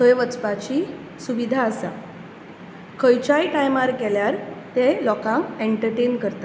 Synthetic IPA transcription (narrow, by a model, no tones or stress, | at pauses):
t̪əjʋət͡spat͡ɕi | suʋid̪ʱaːsa | kʰəjt͡ɕajʈajmaɾkɛljaɾt̪elɔkãŋkeɳʈəɾʈenkəɾt̪a